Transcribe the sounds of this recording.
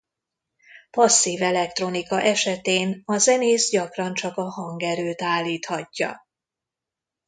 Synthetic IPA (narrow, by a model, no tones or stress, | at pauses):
pɒsːiːvɛlɛk̚t̪ro̞nikɒʔɛʃɛt̪eːnɒzɛneːzɟɒkrɒnt͡ʃɒkɒhɒŋɡɛɾøːt̪aːlːiːt̪hɒcːɒ̰